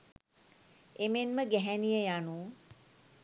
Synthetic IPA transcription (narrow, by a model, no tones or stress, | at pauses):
emenməɡɛɦɛnijəjanuː